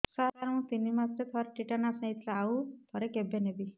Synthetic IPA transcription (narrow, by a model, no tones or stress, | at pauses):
saɾaɾũt̪inimaset̪ʰɔɾʈiʈanasnẽjt̪ʰlaːut̪ʰɔɾekebenebi